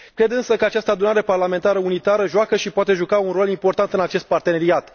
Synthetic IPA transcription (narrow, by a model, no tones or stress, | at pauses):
kɾe̞d̪ɨnsəkəat͡ʃast̪əad̪unaɾe̞parlame̞nt̪aɾəunit̪aɾəʒoakəʃipoat̪e̞ʒukaunro̞limpo̞rt̪ant̪ɨnat͡ʃe̞st̪̚part̪e̞ne̞ɾiat̪